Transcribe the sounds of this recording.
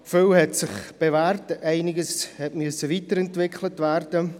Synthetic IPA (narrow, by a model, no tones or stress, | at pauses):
føwhɛtsɪχb̥evɛːrtɛɪnɪɡəshɛtmyəsəviːtəɾɛntvɪkʰlətværdə